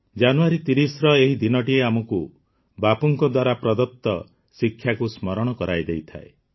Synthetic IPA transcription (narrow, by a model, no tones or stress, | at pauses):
d͡ʒanuaɾit̪iɾisɔɾɔeɦid̪inɔʈieamɔku | bapɔŋkɔd̪waɾapɾɔd̪ɔp̚t̪ːɔ̰ | sikʰːjakusmɔɾɔɽ̃ɔkɔɾajd̪ejt̪ʰa̰e